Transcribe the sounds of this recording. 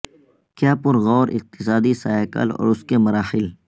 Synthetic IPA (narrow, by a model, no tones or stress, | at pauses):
kjaːpʊɾɣɔːɾɪ̰q̚t̪ɪsaːd̪isaːekə̰lɔ̰ːɾʊskemɐɾaːxɪl